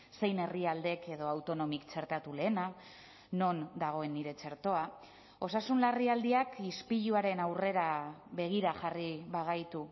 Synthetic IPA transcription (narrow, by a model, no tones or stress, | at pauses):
se̞jne̞riald̪e̞ke̞ðo̞awt̪o̞no̞mikt͡se̞ɾt̪at̪ule̞ːna | no̞nd̪aɣ̞o̞e̞nːiɾe̞t͡se̞ɾt̪o̞a | o̞sasunlariald̪iakispiʎuaɾe̞nawre̞ɾaβe̞ɣ̞iɾaxariβaɣajt̪u